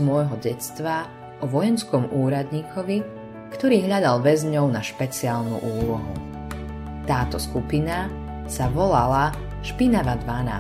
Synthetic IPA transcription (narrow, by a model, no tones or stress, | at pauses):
mɔjɦɔɟɛt͡st̪ʋa | ɔʋɔjɛnskɔmʔuːɾad̪ɲiːkʰɔʋi | kt̪ɔɾiːɦʎad̪alʋɛzɲɔʊnaʃpɛt͡siaːlnṵʔuːlɔɦṵ | t̪aːt̪ɔskupina | saʋɔlala | ʃpinaʋad̪ʋana̰ː